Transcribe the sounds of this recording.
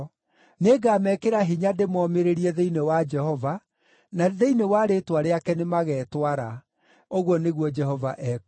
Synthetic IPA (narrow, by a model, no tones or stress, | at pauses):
neːɡaːmɛkeɾaɦiɲademɔmeɾeɾiɛðeinewad͡ʒɛhɔva | naðeinewaɾetwaɾeakɛnemaɣɛːtwaɾa | oɣwɔneɣwɔd͡ʒɛɦɔvaʔɛk